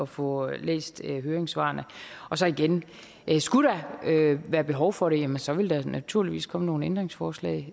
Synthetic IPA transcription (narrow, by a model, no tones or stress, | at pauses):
ɒ̽fɔ̽lḛːsd̥ɦøːɐeŋsʋɑ̰̈ːnəɒ̽sɒ̽iɡ̥en | ʔsɡ̥uɾɑøʋæːɐb̥e̝ɦɒʊfɒ̽ɾ̥e̝jæmənsɒ̽ʋe̝ld̥ɑnʔæt͡sʰuɐliʋḭːskʰɒ̽məno̝ːn̩end̥ʁeŋsfɒːslɛ̰ɪ